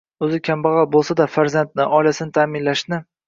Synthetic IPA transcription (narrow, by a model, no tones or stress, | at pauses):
ɵzɪkʲʰambɑʁɑbolˠsad̪afaɾzant̪nɪʔɒjlasɪnɪt̪ʰaːmɪnlaʃnɪ